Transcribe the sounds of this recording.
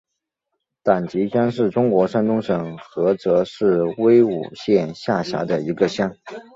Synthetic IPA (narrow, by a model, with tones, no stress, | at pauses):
t̪a˨˩nt͡ɕi˧˥ɕjɑ˥ŋʂɻ̩˥˩ʈ͡ʂʊ˥ŋkwɔ˧˥ʂa˥nt̪ʊ˥ŋʂɤ˨˩ŋxɤ˧˥t͡sɤ˧˥ʂɻ̩˥˩we˥ɪṵ˨˩ɕjɛ˥˧nɕja˥˩ɕja̰˧˥d̪ə˧i˧˥ɡə˧ɕjɑ˥ŋ